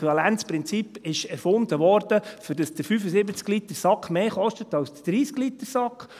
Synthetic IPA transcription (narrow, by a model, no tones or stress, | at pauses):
ɑlænt͡spɾɪnt͡sipɪʃɛɾfʊnt̪əʋɔɾd̥əfydəsd̥əɾfyːfəsɪbət͡sklit̪əɾsɑkχmeːχɔʃtət̪ɑwsd̥əd̥ɾiːsɡ̥lit̪əɾsɑkχ